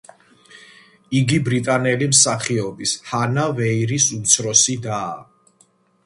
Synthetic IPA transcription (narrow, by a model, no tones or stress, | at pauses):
iɡibɾit̪ʼanɛlimsaχiɔbishanavɛiɾisut̪sʰɾɔsid̪aː